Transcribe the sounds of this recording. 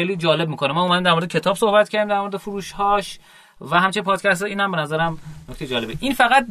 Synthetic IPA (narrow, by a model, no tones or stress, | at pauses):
ejliːd͡ʒɒːle̞b̚miːkʰo̞nemɒːomæd̪imd̪æɾmoɾed̪ekʰcʰe̞t̪ʰɒːb̥so̞hbæt̪̚cʰæɾd̪imd̪æɾmo̞ɾed̪efuɾuːʃhɒːʃ | væɦæmt͡ʃʰenpʰɒːd̪cʰæst̪eiːnhæmbenæzæɾæmnokct̪ejd͡ʒɒːlebeʔiːnfæɣæt̪̚